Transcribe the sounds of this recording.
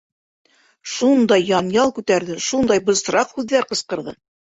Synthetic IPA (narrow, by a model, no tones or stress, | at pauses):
ʃund̪ɑjːɑnjɑlˠkʉt̪æɾðɘʃund̪ɑjbŏzɾɑqhʉðːæɾqɤ̆sqɤ̆ɾðɤ̰